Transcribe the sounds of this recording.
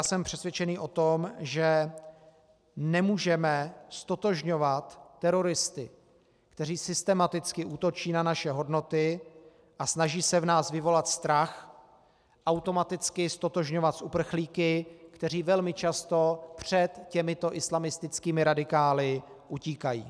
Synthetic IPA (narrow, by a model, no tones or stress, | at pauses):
sɛmpr̝̥ɛsvjɛt͡ʃɛniːʔo̞t̪omʒɛ | nɛmuːʒɛmɛst̪o̞t̪o̞ʒɲo̞vat̪ːɛɾo̞ɾɪst̪ɪ | kt̪ɛriːsɪst̪ɛmat̪ɪt͡skɪʔuːt̪o̞t͡ʃiːnanaʃɛɦo̞dno̞t̪ɪ | ʔasnaʒiːsɛvnaːsvɪvo̞lat̪st̪ɾax | ʔawt̪o̞mat̪ɪt͡skɪst̪o̞t̪o̞ʒɲo̞vat̪supr̩xliːkɪkt̪ɛr̝iːvɛlmɪt͡ʃast̪o̞pr̝̥ɛt̪cɛmɪt̪o̞ʔɪslamɪst̪ɪt͡skiːmɪɾadɪkaːlɪʔuciːkajḭː